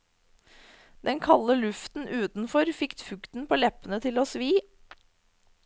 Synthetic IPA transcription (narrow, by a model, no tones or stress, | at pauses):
d̪ɛnkʰɑlːəlʉft̪n̩ʔʉːt̪n̩fɔɾfɪkt̪fʉkt̪n̩pʰoːlɛpənət̪ʰɪloːsʋiː